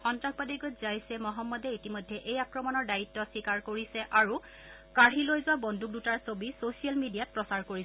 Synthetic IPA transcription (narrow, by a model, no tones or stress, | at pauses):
xɔntɹaxbadiɡɔtzajsɛmɔɦɔmːɔdɛitimojdʱːɛʔejakɹɔmɔnɔɹdajitːɔsikaɹkoɹisɛʔaɹu | kaɹɦilojzʊwabɔndʱuk̚dutaɹsobisosialmidijat̚pɹɔsaɹkoɹisɛ